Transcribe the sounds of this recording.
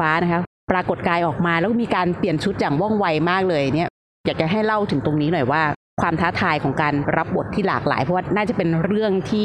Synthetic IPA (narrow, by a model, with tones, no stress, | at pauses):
aː˦˥na˦˥kʰa˦˥ | pɾaː˧ko˨˩t̪̚kaː˧jʔɔː˨˩k̚maː˧lɛː˧˦˥kɔ˥miː˧kaː˧npli˨˩ənt͡ɕʰu˦˥t̪̚jaː˨˩ŋwɔ˥˩ŋwa˧jmaː˥˩k̚lɤː˧ja˨˩ni˦˥ɐ | jaː˨˩k̚t͡ɕa˨˩ɦa˥˩jla˥˩wt̪ʰɯ˩˦ŋt̪o˧ŋniː˦˥nɔ˨˩jwaː˥˩ | kʰwaː˧mt̪ʰaː˦˥t̪ʰaː˧jkʰɔː˩˦ŋkaː˧nɾa˦˥p̚bo˨˩t̪ʰːiː˥˩laː˨˩k̚la̰ː˩˦jpʰɔ˦˥waː˥˩naː˥˩t͡ɕa˨˩pe˧nɾɯ˥˩əŋt̪ʰiː˥˩